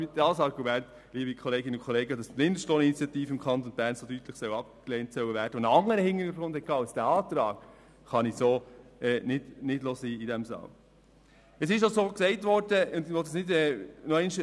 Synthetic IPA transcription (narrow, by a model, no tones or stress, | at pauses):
ɪdɑːsɑɾɡumænt | liːbikʰɔleːɡɪnəʊnkʰɔleːɡədɑstɪndəʃtoːninit͡sjɑtiːfəɪmkʰɑnt̪onbæːɾnsodyt̪ləχsœwɑp̚kleːntsœwəvæːɾd̥əonɑŋːəɾəhɪŋːənyɡɾʊnd̥hɛkʰːɑːasd̥æɑːtɾɑːɡ | χɑnisoːɛːnɪd̥nɪdloːsiːidɛmsɑ̰ːl | ɛsɪʃɑsoːksɛɪtʋɔrd̥əʊndʋɔt̪əsnɪdɛːnoɪnʃ